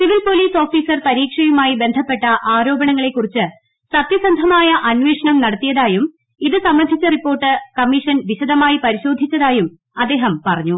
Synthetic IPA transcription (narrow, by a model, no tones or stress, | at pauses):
siʋilpo̞liːso̞ːfiːsɐrpɐɾiːkʂɐjumaːjibe̞nd̪ʱɐpːe̞ʈːɐʔaːɾo̞ːbɐɳɐŋːɐɭe̞kːurit͡ɕːɨ | sɐt̪jɐsɐnd̪ʱɐmaːjɐʔɐnʋeːʂɐɳɐmnɐɽɐt̪ːijɐðaːjum | iðɨsɐmrɐd̪ʱːit͡ɕːɐripːo̞ːrʈːɨkɐmːiʂɐnʋiɕɐd̪ɐmaːjipɐɾiɕo̞ːd̪ʱit͡ɕːɐðaːjum | ɐd̪ːe̞ːɦɐmpɐrɐɲːu